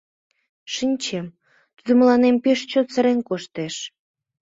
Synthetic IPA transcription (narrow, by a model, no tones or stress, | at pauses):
ʃinʲt͡ɕem | t̪ud̪ə̆məlɑnempeʃt͡ɕot̪t͡səɾenkoʃt̪eʃ